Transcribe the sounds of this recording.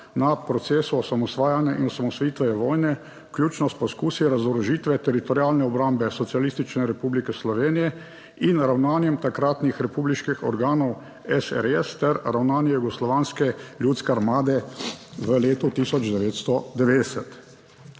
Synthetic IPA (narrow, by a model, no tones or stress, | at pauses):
napɾɔt̪seːsuɔsamɔsʋaːjanjaʔinɔsamɔsʋajiːt̪ʋɛjɛʋɔːjnɛ | klʲjuːt͡ʃnɔst̪pɔskuːsiɾazɔɾɔʒiːt̪ʋɛt̪ɛɾit̪ɔɾjaːlnɛɔbɾambɛsɔt̪sijalist̪it͡ʃnɛɾɛpublikɛslɔʋeːnijɛ | inɾawnaːnjɛmt̪akɾaːt̪nixɾɛpuːbliʃkixɔ̰ɾɡaːnɔw | ɛsɛ̰ɾɛst̪ɛɾɾawnaːnjɛjuɡɔslɔʋaːnskɛljut̪skɛaɾmaːd̪ɛʋəleːt̪ut̪isɔd͡ʒd̪ɛʋeːt̪st̪ɔd̪ɛʋeːd̪ɛsɛt̪